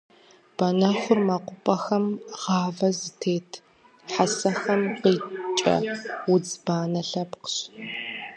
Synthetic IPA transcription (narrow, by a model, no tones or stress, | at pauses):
b̥ɐnɐxʷʊrmɐqʷʊpʼɐxɐmʁɑːvɐzɨtʰeːtʰ | ħasɐxɐmqiːt͡ʃʼɐ̰wʊd͡zbaːnɐɬɐpqə̥ɕ